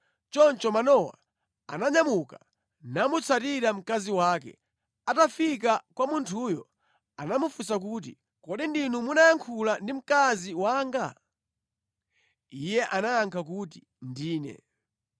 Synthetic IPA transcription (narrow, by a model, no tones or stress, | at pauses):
t͡ʃɔnt͡ʃɔmanɔwa̰ | a̰naɲamuka | namut͡sʰatiɾam̩kaziwaːkɛ̰ | atafikakwamuntʰujɔ | anamufusak̬uːt̬ḭ | kɔɗindinumunajaŋkʰulandim̩kaziwaːŋɡa | ijɛʔanaːŋkʰakut̬i | ndiːnɛ̰